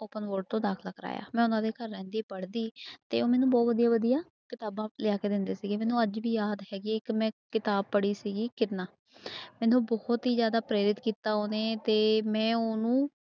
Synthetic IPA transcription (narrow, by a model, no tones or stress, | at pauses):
oːpənʋoːɾɖ̚t̪õːd̪aːkʰləkʰɾa̰ːja̰ːmɛ̃ːʊnãːd̪eːkəɾːɛ̃ːnd̪iːpəɽd̪iːt̪ḛːoːmɛːnũːbɔːt̪ʋəd̪ijaːʋəd̪ijaː | kɪt̪aːbãːlɪaːkeːd̪ɪnd̪eːsiːɡeːmɛːnũːəd͡ʒʋiːjaːd̪ɦɛːɡiːɪkmɛ̃ːkɪt̪aːb̚pəɽiːsiːɡiːkɪɾnaː | mɛ̃ːnũːbɔːt̪ɦiːzjaːd̪aːpɾeːɾɪt̪kiːt̪aːɦoːneːt̪eːmɛ̃ːoːnũː